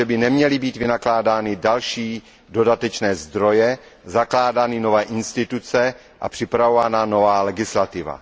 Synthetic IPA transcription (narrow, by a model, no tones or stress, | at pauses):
ɛbɪnɛmɲɛlɪbiːt̪vɪnaklaːdaːnɪdalʃiː | dodat̪ɛt͡ʃnɛːzd̪ɾo̞jɛ | zaklaːdaːnɪno̞vɛːʔɪnst̪ɪt̪ut͡sɛ | ʔa̰pr̥ɪpɾavovanano̞vaːlɛɡɪslat̪ɪva̰